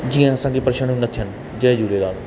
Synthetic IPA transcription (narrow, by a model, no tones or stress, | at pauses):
d͡ʒijãːəsãːɡiːpəɾʃənʊnət̪ʰːɦən | d͡ʒəːd͡ʒuːɾeːd̪aːnː